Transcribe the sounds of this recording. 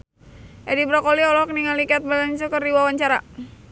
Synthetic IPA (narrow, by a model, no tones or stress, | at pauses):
ʔɛdibɾakɔliɔlɔk̚niŋalikat̪̚balansɔkərdiwawaɲt͡ʃaɾa̰